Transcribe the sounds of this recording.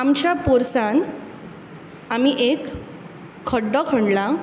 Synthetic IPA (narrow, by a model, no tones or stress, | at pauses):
amt͡ɕapoɾsan | amiʔekʰː | əɖːəkʰəɳɖla